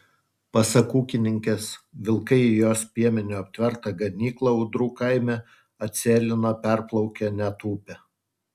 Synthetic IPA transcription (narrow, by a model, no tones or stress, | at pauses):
pɐsɐkuːkʲɪnʲɪŋʲkʲɛsʋʲɪlˠkɐɪɪjoːspʲiɛmʲɪnʲʊɐpʲt̪ʲʋʲɛɾt̪ɐɡɐnʲiːklˠɐʊd̪ɾuːkɐɪmʲɛ | ɐt̪ʲsʲeːlʲɪnoːpʲɛɾplˠɒʊkʲɛnʲɛt̪uːpʲɛ